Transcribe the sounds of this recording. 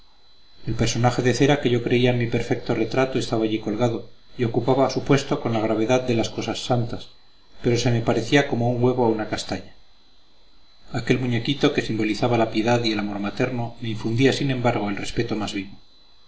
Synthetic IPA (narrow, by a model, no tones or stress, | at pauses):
e̞lpeɾso̞naxe̞ðe̞θe̞ɾake̞ʝo̞kɾe̞iaenmipe̞ɾfe̞k̚t̪o̞re̞t̪ɾat̪o̞e̞st̪aβaːʎiko̞lɣaðo̞io̞kupaβaːsupwe̞st̪o̞ko̞nlaɣɾaβ̞e̞ðaðd̪e̞lasko̞sasːant̪as | pe̞ɾo̞se̞me̞paɾe̞θiako̞mo̞uŋɡwe̞β̞oaunakast̪aɲa | ake̞lmuɲe̞kit̪o̞ke̞simbo̞liθaβalapje̞ðaðielamo̞ɾmat̪e̞ɾnome̞iɱfund̪iasinẽ̞mbaɾɣ̞o̞e̞lre̞spe̞t̪o̞mazβiβo̞